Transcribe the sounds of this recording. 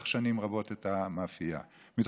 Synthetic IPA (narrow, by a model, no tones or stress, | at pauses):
χʃanimʁabo̞t̪et̪amafija̰ | mit̪